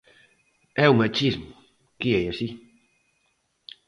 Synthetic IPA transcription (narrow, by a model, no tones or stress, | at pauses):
ɛʊmæt͡ɕʰism | ɡ̥iɐjæsi